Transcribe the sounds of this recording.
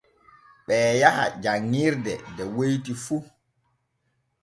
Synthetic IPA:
ɓɛːjaha̰d͡ʒaŋːiɾdɛdɛwojtifu

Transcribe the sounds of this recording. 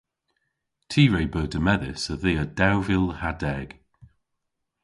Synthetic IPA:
tʰiːɹejbəːdəmɛðɪ̰səðeːəd̥awvɪlˠhadɛɡ̥

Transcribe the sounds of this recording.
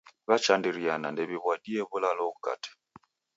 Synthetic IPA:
βat͡ʃandiɾianandɛβiβwadiɛβulalɔɣuka̰tʰɛ̥

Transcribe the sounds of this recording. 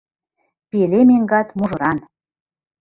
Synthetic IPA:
pelemeŋɡɑt̪muʒɤ̆ɾɑn

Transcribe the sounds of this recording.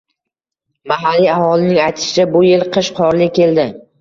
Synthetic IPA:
maɦalːiahɒlɪnɪŋajt̪ʰɪ̥ʃɪt͡ʃabʊje̞lˠqʰɨʃqʰɒɾlɪkʲʰe̞ld̪ɪ

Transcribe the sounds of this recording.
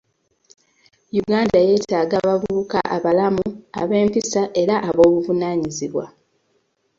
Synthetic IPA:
juɡaːndaje̞ːtaːɡaβaβuuka̰ʔa̰βalamua̰βe̞ːmpisaʔe̞ɾaʔaβo̞ːβuvunaːɲiziβwa

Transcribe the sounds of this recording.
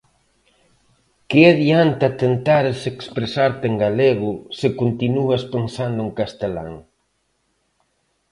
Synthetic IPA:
kɪeðiant̪at̪ent̪aɾesekspɾesaɾt̪eŋɡaleɣʊsɪkont̪inuɐspensand̪ʊeŋkast̪ela̰ŋ

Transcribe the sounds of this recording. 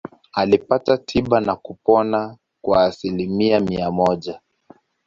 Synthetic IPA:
alipatatʰiɓanakupɔna | kwaːsilimiamiamɔʄa

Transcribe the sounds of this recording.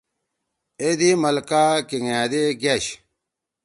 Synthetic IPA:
ed̪imɐlkakiŋaːd̪eɡaɕ

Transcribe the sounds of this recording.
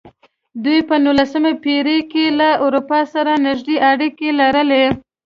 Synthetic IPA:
d̪ujpənulasəmepeɾekelaʊɾupɑsaɾanɪʒd̪eʔaɽikelaɾəle

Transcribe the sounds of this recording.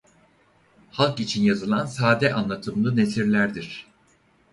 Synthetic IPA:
halˠkit͡ʃʰinjazɯlˠansaːd̪ɛʔanlˠat̪ʰɯmlˠɯne̞siɾlʲæɾd̪iɾ̝̥

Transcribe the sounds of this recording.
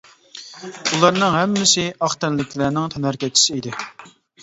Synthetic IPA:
ulˠɑɾnɨŋɦɛmːɪsɪʔɑχt̪ɛnlɪkʲʰlæɾnɪŋt̪ʰɑnæɾkʲɛt͡ʃʰːi̥sɪid̪ɪ

